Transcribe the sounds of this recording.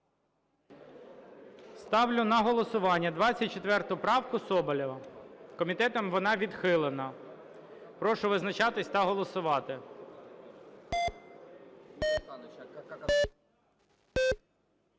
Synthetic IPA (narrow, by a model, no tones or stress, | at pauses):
st̪ɑwlʲʊnɐɦɔlˠɔsʊʋɑnʲːɐd̪ʋɑt͡sʲːɐt̚ʲt͡ʃet̪ʋɛrt̪ʊpɾɑwkʊsɔbɐlʲɔʋɐkɔmʲit̪ɛt̪ɔmʋɔnɑʋʲid̪xɪlˠenɐ | pɾɔʃʊʋɪznɐt͡ʃɑt̪ɪsʲt̪ɐɦɔlˠɔsʊʋɑt̪ɪ